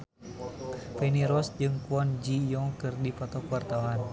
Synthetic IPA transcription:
peniɾɔsd͡ʒɨŋkuɔnd͡ʒijɔŋkɨrdipɔt̪ɔkwart̪awan

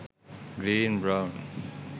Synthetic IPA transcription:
ɡɾiːnbɹãʊ̃n

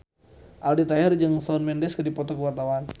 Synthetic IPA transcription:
ʔaldit̪ajɛrd͡ʒəŋsaʊnmɛndɛskədipɔt̪ɔkəwart̪awan

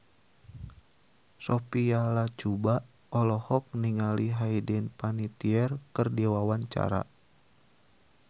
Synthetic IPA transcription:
sɔpialat͡ʃubaʔ | ɔlɔhɔk̚niŋaliɦaidɛnpanit̪iɛrkɨrdiwawaɲt͡ʃa̰ɾa̰

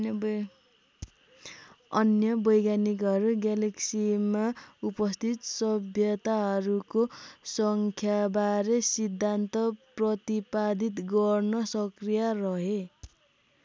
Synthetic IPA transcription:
ʌnjʌbʌjɡjanik̬ʌɾuɡaleksimaupʌst̪ʰit̪sʌbʱjʌt̪aɦʌɾukosʌŋkʰjabaɾesid̪ʱːant̪ʌprʌt̪ipad̪it̪ɡʌrnʌsʌkrijarʌɦe

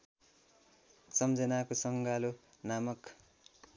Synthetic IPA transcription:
sʌmd͡zʌnakosʌŋɡalo | namʌk

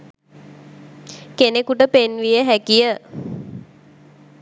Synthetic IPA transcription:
kenekuʈəpenʋijəɦækijə

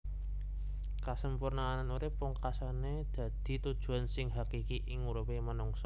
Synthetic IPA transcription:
kasəmpurnaːnanuɾepʊŋkasane | d̪̥ä̤d̪̥i̤t̪ud̥ʒ̥ṳansɪŋɦakikiʔɪŋːuɾupemənuŋsɔ

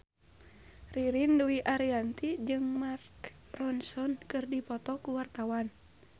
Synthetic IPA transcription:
riɾinduwiʔaɾiant̪id͡ʒɨŋmark | rɔnsɔnkɨrdipɔt̪ɔkuwart̪awan

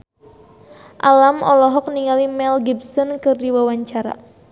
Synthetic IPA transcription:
ʔalamʔɔlɔɦɔk̚niŋalimɛlɡibsɔnkɨrdiwawaɲt͡ʃaɾa̰

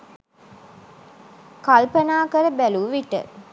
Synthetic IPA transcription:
kalpənaːkəɾəbæluʋiʈə̰

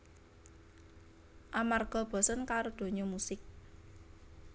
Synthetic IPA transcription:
ʔamarɡ̥ɔ̤b̥ɔ̤sənkaɾod̪̥o̤ɲɔmusɪk̚

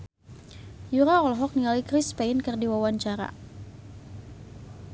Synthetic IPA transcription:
juɾaɔlɦɔk̚nialikɾɪspɛɪnkɨrdiwawaɲt͡ʃaɾa̰

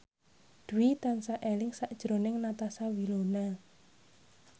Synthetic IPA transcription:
d̪̥uwit̪ansaʔelɪŋsaʔd̥ʒ̥ɾonɪŋnat̪asawilona

